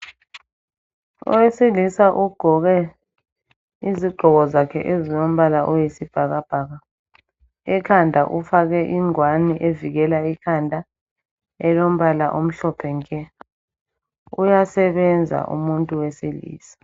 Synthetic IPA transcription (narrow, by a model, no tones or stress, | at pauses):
ɔ̰wesilisaʔuɡ͡ǃ̥ʱɔɣɛ | iziɡ͡ǃʱɔɣɔzakʰɛʔezinom̩βalaʔɔjesib̥ʱaɣab̥ʱaɣa | ɛkʰandʱaʔufaɣɛʔiŋwaniʔeviɣɛlaikʰandʱa | ɛlom̩βalaʔom̩ɬɔpʰɛŋkʼɛ | ujasɛβɛnd͡zʱa̰ʔṵmuntʼuwesilḭːsḁ